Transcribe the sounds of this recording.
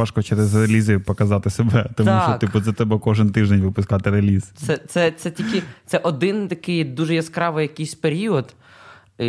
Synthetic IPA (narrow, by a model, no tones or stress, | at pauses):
ɑʃkɔt͡ʃɛɾɛzrelʲizɪpɔkɐzɑt̪ɪsebɛt̪ɔmuʃt͡ʃɔt̪ʲipʊzʲɛt̪ɛbɛkɔʒɪnt̪ɪʒd̪enʲʋɪpʊskɑt̪ɪɾelʲizt̪sɛt̪sɛt̪sɛt̪ʲikʲɪt̪sɛʔɔd̪ɪnt̪ɐkɪjd̪uʒɛjɐskɾɑʋɪjɐkɪjsʲpeɾʲiɔd̪